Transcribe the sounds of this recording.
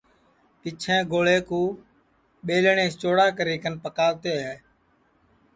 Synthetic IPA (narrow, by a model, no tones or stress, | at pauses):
pɪt͡ʃʰɛ̃ːɡoːleːkuː | ɓeːlɳeːst͡ʃoːɽaːkəɾiːkənpəkaːʋt̪eːɦeː